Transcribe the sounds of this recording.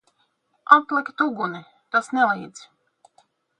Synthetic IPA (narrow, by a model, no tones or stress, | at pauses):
aplˠɛkʲt̪uɡuni | t̪asnɛlijd̪z